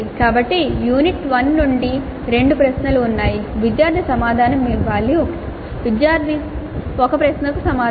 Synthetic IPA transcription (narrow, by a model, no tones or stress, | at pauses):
kaːbɐʈːijuːniʈʋɐnːuɳɖi | ɾe̞ɳɖupɾɐʃnɐluːnːaːjiʋid̪jaːɾd̪ʰʱisɐmaːd̪ʱaːnɐmːiːʋaːɭːiokɐʈ | ʋidjaːɾd̪ʱiɔkɐpɾɐʃnɐkusɐmaː